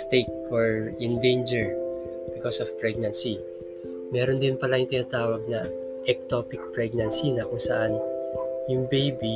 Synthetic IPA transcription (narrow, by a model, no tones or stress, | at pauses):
st̪ek̚wɛɹɪnd̪ẽjnd͡ʒɛɹ | b̥ɪkosɔvpɹɛɡ̚nɐnsi | mɛːɾond̪ɪnpɐlajʊŋt̪ɪnaːt̪aːwɐɡ̚nɐ | ʔɛk̚t̪opɪk̚pɹɛɡ̚nɐnsinɐkʊŋsɐʔanjʊŋbejbi